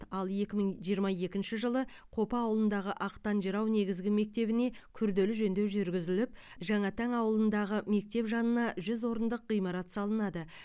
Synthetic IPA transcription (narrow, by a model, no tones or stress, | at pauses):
ɑlˠje̞kʲɪmɪŋʒijəɾmɑje̞kʲɪnʃɪʒəlˠə | qʰo̞pɑːwəlˠənd̪ɑʁəʔɑqt̪ɑnʒəɾɑwne̞ɡʲɪzɡʲɪme̞k̚t̪e̞bɪne̞kʲʰʏɾd̪e̞lɪʒɵnd̪ewʒʏɾɡʲɪzɪlɪp̚ | ʒɑɴɑt̪ʰæŋɑwəlˠənd̪ɑʁəme̞k̚t̪e̞pʒɑnənɑʒʏzwo̞ɾənd̪əq̚ɢijmɑɾɑt̪sɑlˠənɑd̪ə